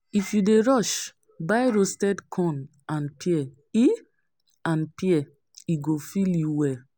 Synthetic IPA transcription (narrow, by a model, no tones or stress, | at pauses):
ifjudeɹɔʃ | baɪɾostɛdkʰɔ̃n | ãnpʰiɛ | i | ãnpiɛ | iɡofiljuwɛl